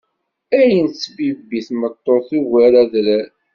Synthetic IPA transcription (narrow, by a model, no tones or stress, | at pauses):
æjənsbibiθmət̪ˤːoθuwæɾæðɾæ